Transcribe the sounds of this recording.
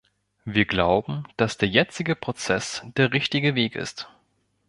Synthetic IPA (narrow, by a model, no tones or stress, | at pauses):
viːɐɡlaʊbm̩d̥asd̥eːɐjɛt͡sɪɡəpʁ̥ot͡sɛsd̥eːɐʁɪçtɪɡəveːkɪ̰st